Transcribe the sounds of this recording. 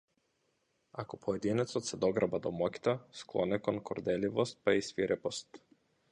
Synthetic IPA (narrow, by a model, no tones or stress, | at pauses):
akɔpʰɔɛd̪inɛt̪sɔt̪sɛd̪ɔɡɾabad̪ɔmɔkʲi̥t̪asklˠɔnɛkɔnkɔɾd̪ɛlivɔst̪̚paisviɾʔɛpɔst̪